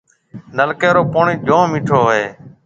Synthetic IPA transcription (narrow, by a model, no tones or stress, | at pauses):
nəlkeːɾoːpoːɳiːd͡ʒõːmiːʈʰoːɦeː